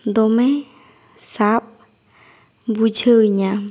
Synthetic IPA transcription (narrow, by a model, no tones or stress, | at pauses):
d̪ome | sap̚ | but͡ɕʰəɲa